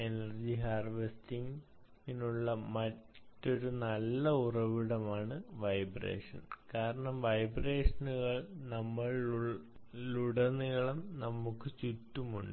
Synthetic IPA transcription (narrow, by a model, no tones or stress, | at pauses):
enɐrd͡ʑiɦaːrʋestiŋ | inuɭːɐmɐtːo̞ɾunɐlːɐurɐʋiɽɐmaːɳɨʋɐjbrḛːʂɐ̰nkaːɾɐɳɐmʋɐjbre̞ːʂɐnuɣɐɭnɐmːɐɭ | luɽɐniɣɐɭɐmnɐmːukːɨt͡ɕutːumṵɳɖɨ